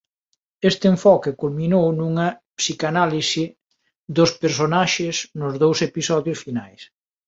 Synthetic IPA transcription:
est̪ɪeɱfɔkɪkulminownuŋɐpsikanalisi | d̪ʊspeɾs̬onaʃɪsnʊzðowsepisɔðjʊsfinajs

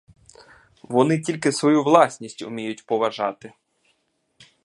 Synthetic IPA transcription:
ʋɔnɪtʲilʲkɪsʋɔjuʋlˠɑsʲnʲisʲtʲʊ̰mʲijʊtʲpɔʋɐʒɑt̪ɪ

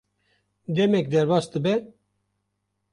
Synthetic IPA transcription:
d̪ɛmɛk̚d̪ɛɾbɑːsd̪ɨbɛ

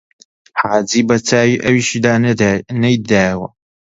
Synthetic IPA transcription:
ħaːd͡ziːbɐt͡saːwiʔɐwiːʃid̪aːnɐjd̪aːjwɐ

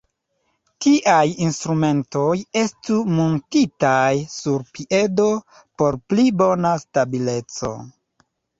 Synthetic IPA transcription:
kiʔajinstɾume̞nto̞je̞stumontitajsuɾpiʔe̞do̞ | po̞ɾplibo̞nastabile̞t͡so̞̰

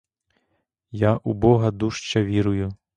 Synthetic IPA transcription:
jaʔubɔɣɐd̪uʂt͡ʃɐʋʲiɾuju

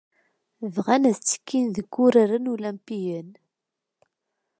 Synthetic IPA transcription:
vʁænæðt͡sːə̥kʰːinðəɡːʊɾaɾənulæmpijən

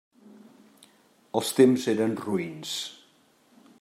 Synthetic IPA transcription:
əlˠst̪emzeɾənruins

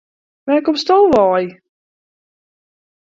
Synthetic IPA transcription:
ʋɛkɔpstolˠʋɔːj

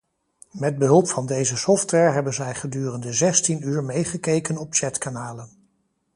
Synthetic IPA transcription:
mɛd̚bəɦɵlˠpfɑndejzəsɔftʋɛɹɦɛbənzɛjχədyːrəndəzɛstinyːɹmejχəkejkənɔp̚t͡ʃɛtkanaːlən

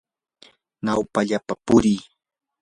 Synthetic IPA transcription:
nawpaʎapapʊɾɪj

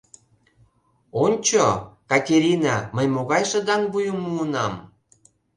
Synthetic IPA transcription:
onʲt͡ɕokɑt̪ʲeɾʲinɑməjmoɣɑjʃə̆d̪ɑŋbujumuːnɑm

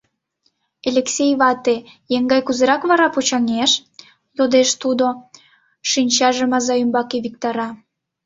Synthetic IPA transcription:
elʲeksʲejβɑt̪e | jeŋɡɑjkuzeɾɑkβɑɾɑpot͡ɕɑŋeʃ | jod̪eʃt̪ud̪o | ʃinʲt͡ɕɑʒəmɑzɑymbɑkeβik̚t̪ɑɾɑ

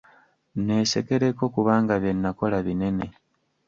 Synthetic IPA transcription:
ne̞ːse̞ke̞ɾeko̞kuβaːŋɡaβje̞nːako̞laβine̞ne̞

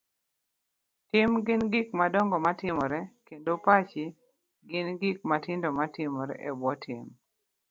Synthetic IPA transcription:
tɪmɡɪnɡɪkmadɔŋɡɔmatɪmɔɾɛkendopat͡ʃiɪ | ɡɪnɡɪk̚matɪndomatɪmɔɾɛ̰ʔɛbwɔtʰɪ̰m

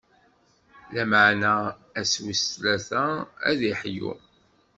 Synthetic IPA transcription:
læmaʕnææswislæθææ̰ðiħjṵ

